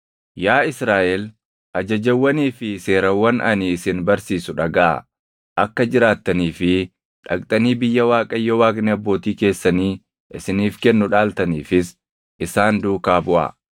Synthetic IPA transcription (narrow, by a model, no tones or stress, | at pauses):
jaːɪsɾaːʔɛl | ʔɐd͡ʒɐd͡ʒɐwːɐniːfɪse̞ːɾɐwːɐnʔɐ̰niːsɪnbɐɾsiːsʊᶑɐɡɐʔɐ̰ | ʔɐkːɐd͡ʒɪɾaːt̪ːɐniːfɪ | ᶑɐkʼt̪ʼɐniːbɪjːɐwaːkʼɐjːɔwaːknɛɐbːo̞ːt̪iːke̞ːsːɐniː | ʔɪsɪniːfkɛnːʊᶑaːlt̪ɐniːfɪs | ʔɪsaːnd̪uːkaːbʊʔɐ̰